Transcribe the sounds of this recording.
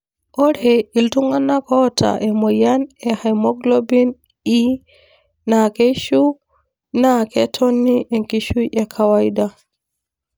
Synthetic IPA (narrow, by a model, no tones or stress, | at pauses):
ʔɔɾhɛiltuŋanːakɔta̰ʔɛmɔjanɛhajmɔɡlobin | i | nakeʃu | nakɛtʰonːiʔɛŋkiʃujɛkʰawajda